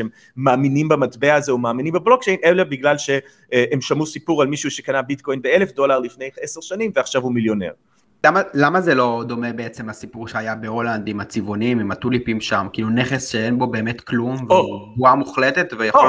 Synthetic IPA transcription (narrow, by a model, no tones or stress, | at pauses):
emː | aːminimbamat̪beaːze̞umaːminimbablo̞k̚t͡ʃe̞jnelebiɡlalʃe | ʔemʃamusipuʁalmiʃuuʃe̞kanabit̪ko̞jnbeele̞fdo̞laʁlifne̞jeseʁʃanimveaχʃavumiljo̞ne̞̰ʁ | lamalamazelo̞d̪o̞mebeet͡semlasipuʁʃeajabeoland̪imat͡sivonimimat̪ulipimʃamkiːluneχesʃeenbo̞be̞ːmet̪klumvuɡvuamuχlet̪et̪vejao